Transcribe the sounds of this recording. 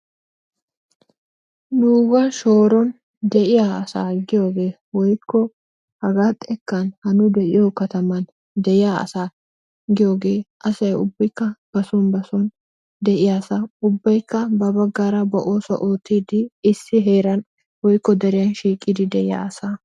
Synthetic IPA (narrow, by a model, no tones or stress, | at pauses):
nʊɡɐʃo̞ːɾɔn | d̪ɛʔɪjaːɐsa̰ːɡɪjo̞ːɡe̞ː | wɔjkːɔ | hɐɡaːt̪ʼɛkːɐnhɐnʊd̪ɛʔɪjokɐt̪ɐmɐn | d̪ɛʔɪjaːɐ̰saː | ɡɪjoːɡe̞ːʔɐsɐjʊbːɪkːɐb̥ɐsɔnbɐsɔn | d̪ɛʔɪjaːsaʊbːɐjkːɐbɐbɐɡːaːɾɐbɐʔo̞ːsɐ̰ʔoːt̪ːiːd̪ɪːsːɪɦe̞ːɾɐn | wɔjkːɔd̪ɛɾɪjɐnʃiːkʼːɪd̪ɪd̪ɛʔɪ̰ja̰ːɐsaː